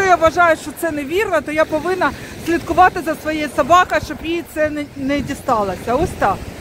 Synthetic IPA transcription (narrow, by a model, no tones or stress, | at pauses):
ɔjaʋɐʒɑjʊʃt͡ʃɔt̪sɛneʋʲirnɛt̪ɔjapɔʋɪnɐsʲlʲit̪̚kʊʋɑt̪ɪzɐsʋɔjɛsɐbɑkɐʃt͡ʃɔbjit̪sɛnɛdʲist̪ɑlˠɐsʲɐɔsʲt̪ɑ